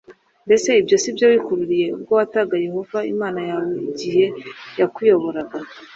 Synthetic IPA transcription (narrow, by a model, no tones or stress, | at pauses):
mbe̞se̞ibjo̞sibjoβikuɾuɾije̞ub̚ɡowataɡaje̞ho̞vaimaːnajaːwe̞iɟihe̞jakwijo̞βo̞ɾaɡa